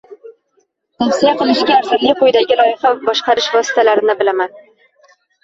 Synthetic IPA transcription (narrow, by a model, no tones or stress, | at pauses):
t̪ʰafsijaqʰɨlˠɪʃkʲaːɾzad̪lɪjqʊjd̪aɡʲɪɾˠɒɪχabɒʃqɑɾɪʃvɒsɪ̥t̪ʰalaɾɪnɪbɪlaman